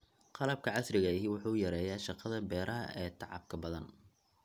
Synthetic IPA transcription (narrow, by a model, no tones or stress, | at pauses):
qɑlɐb̚kʰɐʕɑsrɪɣɐɪɦiwʊħuːʊjɐɾɛːjaːʃɑqɑðɐbɛːɾʔɐɦɐ̰ʔɛːt̪ʰɑʕɑ̰b̚kʰɐbɐðɐn